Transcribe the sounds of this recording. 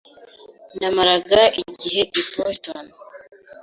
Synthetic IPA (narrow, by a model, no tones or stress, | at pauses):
namaɾaɡaʔiɟiɦe̞diposton